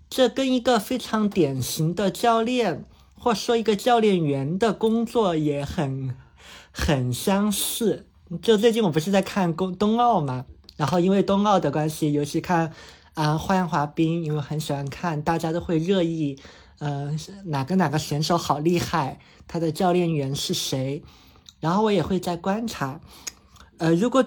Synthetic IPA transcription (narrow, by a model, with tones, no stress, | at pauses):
ʈ͡ʂɤ˥˩kə˥ni˧˥ɡə˧fe˥ɪʈ͡ʂʰɑ˧˥ŋt̪jɛ˨˩nɕi˧˥ŋd̪ə˧t͡ɕjɑ˥˧ʊljɛ˥˩n | xwɔ˥˩ʈ͡ʂ̩˨˩ʂwɔ˥i˧˥ɡə˧t͡ɕjɑ˥˧ʊljɛ˥˩nɥɛ˧˥nd̪ə˧kʊ˥ŋt͡swɔ˥˩jɛ˨˩xə˨˩n | xə˨˩nɕjɑ˥ŋʂɻ̩˥˩ | ʈ͡ʂɤ˥˧t͡swe˥ɪt͡ɕi˥˩nwpu˧˥ʂɻ̩˥˧t͡sa˥˧ɪkʰa˥˩nkʊ˥ŋt̪ʊ˥ŋɑ˥˩ʊmɐ˩ɻa˧˥nxo˥˧ʊi˥nwe˥˧ɪt̪ʊ˥ŋɑ˥˩ʊd̪ə˩kwa˥nɕi˨jo˧˥ʊt͡ɕʰi˧˥kʰa˥˩n | ə˧˩xwa˥jɑ˥nxwa˧˥pi˥ŋi˧˥˩we˥˧˩ɪxə˧˥nɕi˨˩xwa˧˥nkʰa˥˩nt̪a˥˩t͡ɕja˥t̪o˥ʊxwe˥˧ɪɻɤ˥˧i˥˩ | ə˧na˨˩kə˥nna˨˩ɡə˦ɕɥɛ˧˥nʂo˧˥ʊxɑ˨˩ʊli˥˧xa˥˩ɪ | t̪ʰa˥d̪ə˨t͡ɕjɑ˥˧ʊljɛ˥˩nɥɛ˧˥nʂɻ̩˥˩ʂe˧˥ɪ | ɻa˧˥nxo˥˩wɔ˧˥jɛ˨˩xwe˥˧ɪt͡sa˥˩ɪkwa˥nʈ͡ʂʰa˧˥ | ə˧ɻu˧˥kwɔ˨˩